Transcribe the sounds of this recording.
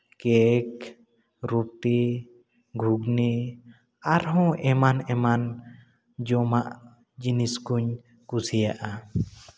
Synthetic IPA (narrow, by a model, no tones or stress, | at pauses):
kɛk | ɾup̚t̪i | ɡʱuɡnɛ | aɾɦɔ̃ʔɛmanɛman | d͡ʒɔmaʔ | d͡ʒiniskuɲ | kusijaʔa